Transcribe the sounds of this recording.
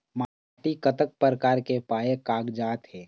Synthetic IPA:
ma | ʈikət̪ək̚pəɾəkaːɾkepaːjekaːɡd͡ʒaːt̪ɦɛː

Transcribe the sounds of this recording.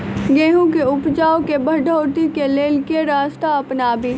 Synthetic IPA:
ɡeːɦũkeʊpt͡ʃaːokebʱɐɖʱoːt̪ikeleːlkeɾaːst̪aɐpnaːbi

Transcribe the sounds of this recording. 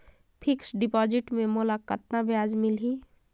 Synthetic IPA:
pʰɪksɖɪpɔːd͡ʒɪʈmẽmolakət̪nabjaːd͡ʒmɪlɦi

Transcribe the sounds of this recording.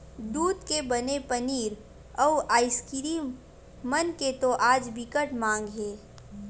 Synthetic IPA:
d̪uːd̪kebənepəniːɾ | ɔʔaːɪskɪɾiːm | mənket̪oʔaːd͡ʒbɪkəʈmãːŋ̆ɡɦeː

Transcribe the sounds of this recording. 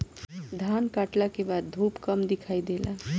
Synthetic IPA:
d̪ʱaːnkaːʈlakebaːd̪̚ːʱuːpkəmd̪ɪkʰaːid̪ela

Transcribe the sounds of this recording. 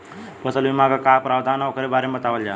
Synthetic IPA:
pəsəlʋimaɡakapɾawd̪ʱanaɔkʰəɾebaɾemət̪aʋəld͡ʑa̰

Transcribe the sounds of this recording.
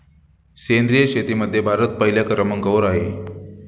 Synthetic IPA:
send̪ɾijəɕet̪iməd̪ʱːjebʱaɾət̪̚pəɦiljakəɾəməŋɡəʋəɾaɦe

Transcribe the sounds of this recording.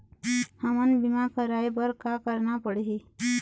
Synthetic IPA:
həmənbimakəɾajbəɾkakəɾnapəɽɦi

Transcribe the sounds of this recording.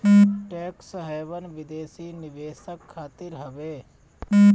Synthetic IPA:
ʈɛːksɦɛːʋənʋɪd̪eːsiːnɪʋeːsəkʰːaːt̪ɪɾɦɐʋeː

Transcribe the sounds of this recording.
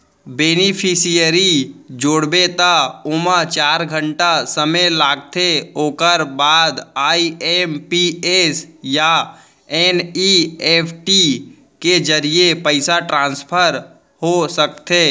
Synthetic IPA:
beːnipʰisijəɾid͡ʒoːɽbet̪aʊmət͡ʃaːɾɡʱə̃ɳʈasəməlaːɡ̚t̪ʰeoːkəɾbaːd̪aːiempiesja | eniepʰʈi | ked͡ʒəɾijepəɪsaʈɾãːnspʰəɾ | hosək̚t̪ʰeː

